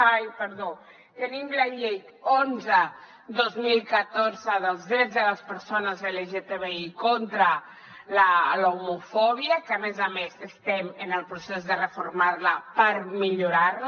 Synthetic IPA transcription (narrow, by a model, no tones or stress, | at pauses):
ajpəɾðo | t̪ənimləʎejt̪ | onzə | d̪ozmilˠkət̪oɾzəðəlˠzðɾɛd͡zðələspəɾsonəzðəleʒet̪eβeikont̪ɾə | ləlowmufɔβiəkəmezamezəst̪ɛmənəlˠpɾusɛzðərəfuɾmaɾləpəɾmiʎuɾaɾ